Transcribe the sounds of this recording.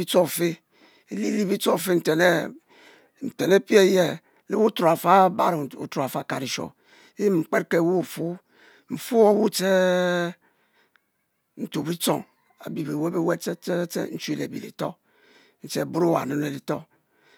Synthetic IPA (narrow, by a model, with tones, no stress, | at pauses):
i˦t͡so˦˨fe˦ | e˨li˦li˦bi˦t͡so˦˨fe˦n̩˨te˨ne˦ | n̩˨te˨ne˦pi˦e˦˨je˦ | le˦wu˦tɾo˨a˨fa˦ba̰˦ɾṵ˨tɾo˨a˨fa˦˨ka˨ɾi˨ʃo̰˨˦ | ji˦ŋ͡m̩˨k͡pe˦tke˦˨wu˦˨fu˦ | m̩˨fu˦o˦˨wu˦t͡ʃe˦ | n̩˨to˨bi˦t͡so̰˦˨ŋ | a̰˨bi˨be˨we˦be˦we˦e˦e˦t͡ʃḛ˦n̩˦t͡ʃu˦e˨lḛ˨bḭ˨lḭ˨to̰˦ | n̩˦t͡ʃe˦˨bu˦ɾo˦wa̰˨nɨ˦ne˨li˨to˦